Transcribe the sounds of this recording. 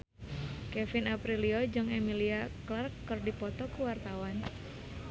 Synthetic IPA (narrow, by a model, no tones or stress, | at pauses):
kɛfinapɾiliɔd͡ʒɨŋɛmiliaklarkːɨrdipɔt̪ɔkuwart̪awan